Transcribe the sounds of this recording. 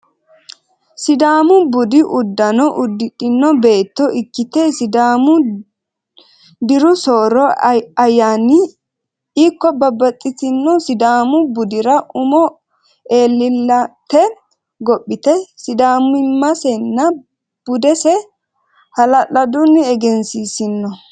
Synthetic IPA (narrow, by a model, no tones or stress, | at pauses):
sɪd̪aːmʊbʊd̪ɪʔʊd̪ːɐnɔʔʊd̪ɪᶑɪnːɔbe̞ːt̪ːɔʔɪkːɪt̪ɛsɪd̪aːmʊ | d̪ɪɾʊsoːɾɔɐjːaːnɪ | iːkːɔbɐbːɐt̪ʼːɪt̪ɪnːɔsɪd̪aːmʊbʊd̪ɪɾɐʔʊmɔ | eːlːɪlːɐt̪ɛ | ɡɔpʼːɪt̪ɛsɪd̪aːmɪmːɐsɛnːɐ | b̥ʊd̪ɛsɛ | hɐlɐlɐd̪ʊnːɪɛɡɛnsisɪnːɔ